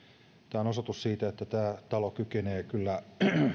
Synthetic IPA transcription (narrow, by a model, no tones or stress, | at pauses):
t̪æːonosot̪ussiːt̪æet̪ːæt̪æːt̪ɑlokykeneːkylːæ